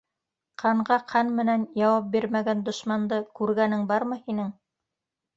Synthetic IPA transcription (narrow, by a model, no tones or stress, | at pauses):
qʰɑɴɢɑqʰɑnmɘ̆nænjɑwɑp̚biɾmæɡænd̪ŏʃmɑnd̪ɤkʉɾɡænɘŋbɑɾmɤhinɘŋ